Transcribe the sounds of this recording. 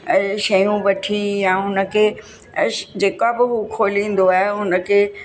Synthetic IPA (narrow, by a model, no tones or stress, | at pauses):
ʃɐjũʋɐʈʰijãːɦʊnə̆kʰeː | d͡ʑeːkabɪɦukʰoːlĩːn̆d̪oaːɦeɦʊnə̆kʰeː